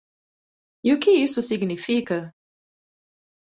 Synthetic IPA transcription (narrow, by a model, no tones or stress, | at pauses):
jukiisusɪɡnifika